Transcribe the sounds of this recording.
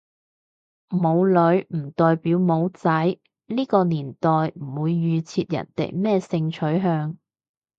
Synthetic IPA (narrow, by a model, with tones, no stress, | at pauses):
mo˨˧wlɵ˨˧˥ɥm̩˨˩t̪ɔː˨˧jpiː˨˥wmo˨˧wt͡sɐ˨˥j | liː˥kɔː˧niː˨˩nt̪ɔː˨jm̩˨˩wuː˨˧jːyː˨˧t͡sʰiː˧t̚jɐ̰˨˩nt̪ḛ˨˩jmɛː˥˩sɪ˧ŋt͡ʃʰɵ˨˥ɥɦœː˧ŋ